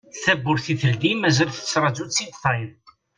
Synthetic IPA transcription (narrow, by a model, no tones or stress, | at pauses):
θæbːʊɾθiθəld̪imæzælθə̥t͡sːɾˤɑd͡ʒut͡sːit̪θˤɑjn